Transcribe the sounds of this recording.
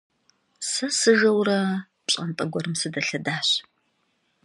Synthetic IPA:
sɐsɨɣɐwrɐ | ɕʼɐntʼɐɡʷɔɾɨmsɨdɐɬɐdaːɕ

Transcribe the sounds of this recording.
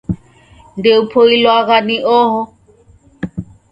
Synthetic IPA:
ndeupʰoilwaɣaniʔɔːɦɔ

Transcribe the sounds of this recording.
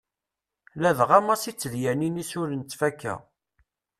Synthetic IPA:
læðʁæmæsit͡sːəljæninisʊɾənt͡s̪ːfækːæ̰

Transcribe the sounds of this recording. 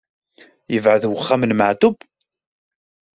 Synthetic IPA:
jəvʕəðwəχːæmənməʕt̪ʊb

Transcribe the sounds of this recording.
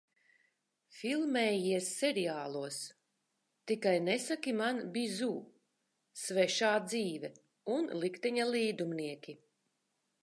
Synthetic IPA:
filˠmɛːjiɛsːɛɾiaːlˠuɔs | t̪ikajnɛsakimanbʲizuː | svɛʃaːd̪ziːvɛ | unlˠikt̪ɛɲaliːd̪umniɛkʲi

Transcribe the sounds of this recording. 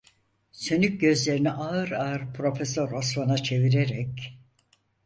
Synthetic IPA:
sønyc̚ɟø̞zlʲe̞ɾiniʔaɯɾaɯɾpʰɾo̞fesoɾosmanat͡ʃʰe̞viɾeɾɛc

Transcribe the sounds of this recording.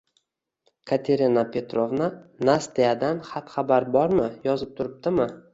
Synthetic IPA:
kʰat̪ʰe̞ɾinapʰe̞t̪ɾovnanast̪ead̪anχat̪χabaɾbɒɾmɪjɒzɪp̚t̪ʰʊɾɪp̚t̪ɪmɪ

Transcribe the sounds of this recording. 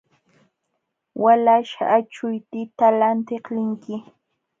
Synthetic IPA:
wʔalaʃa̰ʔːt͡ʃʊjt̪ɪt̪alant̪eχlɪŋkɪ

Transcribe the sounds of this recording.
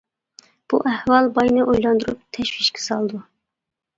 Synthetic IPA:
b̥uʔæhwɑlˠbɑjnɨʔojlˠɑnd̪uɾup̚t̪ʰɛʃwiʃkʰʲɪ̥sɑlˠd̪u

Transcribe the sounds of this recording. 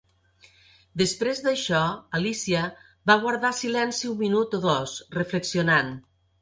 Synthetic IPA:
d̪əspɾezðəʃɔalisiə | βaɣ̞waɾðasilɛnsiumːinut̪oðɔsrəfləksionan

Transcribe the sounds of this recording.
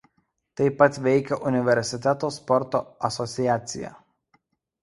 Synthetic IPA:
t̪ɐɪpːɐt̪ʋʲɛɪkʲɛʔʊnʲɪʋʲɛɾʲsʲɪt̪ʲɛt̪oːspɔɾt̪o̰ːɐsɔt̪sʲɪjæːt̪sʲɪ̰jæ̰ː

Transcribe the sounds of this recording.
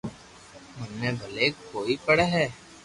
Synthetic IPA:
mənːebʱəleːkkoːipəɽeɦɛː

